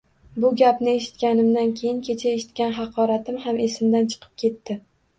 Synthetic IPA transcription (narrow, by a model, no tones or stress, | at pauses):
bʊɡʲapnɪe̞ʃɪ̥t̪kʲanɪmd̪ankʲʰe̞jɪŋkʲʰe̞t͡ʃʰae̞ʃɪ̥t̪kʲanɦɑqʰɒɾat̪ɪmɦame̞sɪmd̪ant͡ʃʰɨ̥qʰɨ̥p̚kʲʰe̞t̪ːɪ